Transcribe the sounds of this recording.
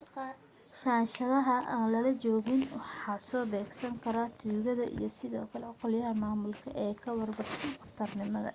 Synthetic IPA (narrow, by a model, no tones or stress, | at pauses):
ʃaːnʃɐðɐɦɐʔaːnlɐlɐt͡ʃɔːɣɪnwɑħɑːsɔːbɛːɡsɐŋkʰɐɾaːt̪ʰuːɣɐðɐʔḭjɞsɪðɔːkʰɐlɛqɔljɐɦɐmaːmʊlkʰɐʔɛːkʰɐwɐrbɐħt̪ʰɐnqɐft̪ʰɐrnɪmɐðɐ̰